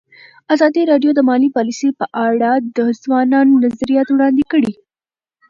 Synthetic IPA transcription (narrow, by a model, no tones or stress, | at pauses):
azaːd̪iɾaɖjod̪əmalipalisipəʔaɽad̪əzʋananːɐzɾijat̪ʋɽand̪ikəɽi